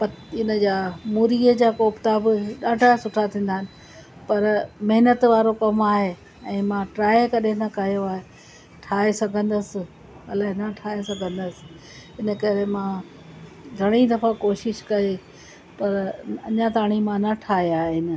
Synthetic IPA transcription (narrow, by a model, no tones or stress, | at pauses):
pɐt̪ɪnə̆d͡ʑaːmuːɾiəd͡ʑaːkoːpt̪abɪɗaːɖʱasʊʈʰat̪ʰĩːn̆d̪aːɦɪnɪ̆ | pɐɾmɐɦɪnət̪ʋaːɾokɐmaːɦe | ɛ̃ːmãʈɾaːekɐɗẽnɐkɐɦjoaːɦe | ʈʰaːɦesɐɡʱə̃nd̪əsɪ̆ | ɐlaːɦenɐʈʰaːɦesɐɡʱə̃nd̪əsɪ̥̆ | ɪnə̆kɐɾemã | ɡʱɐɽ̃id̪ɐfakoːʃɪʃkɐe | pɐɾɐ̰ɲat̪aːɽ̃imãnɐʈʰaːɦeaːɦɪnɪ̆